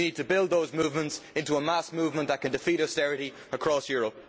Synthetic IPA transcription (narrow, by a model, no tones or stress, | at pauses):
niːd̚tʰəbɪlˠd̪̚ðoʊzmuːvmə̃ntsɪ̃ntuəmasmuːvmə̃nðət̚kʰə̃ndɪfiɾɔstɛɹɨɾi | əkʰɹ̥ɔsjɔɹəp̚